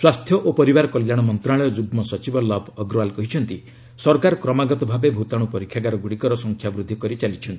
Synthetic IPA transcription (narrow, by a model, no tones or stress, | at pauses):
swast̪ʰjɔʔopɔɾibaɾkɔljaɽ̃ɔmɔnt̪ɾaɭɔjɔd͡ʒuɡmɔsɔt͡ʃibɔlɔbʰʱɔɡɾɔalkɔɦit͡ʃʰɔnt̪i | sɔɾkaɾɔkɾɔmaɡɔt̪ɔbʱabebʱut̪aɽ̃upɔɾikʰːjaɡaɾɔɡuɽikɔɾɔsɔŋkʰjabɾud̪ʱːikɔɾit͡ʃalit͡ʃʰɔnt̪i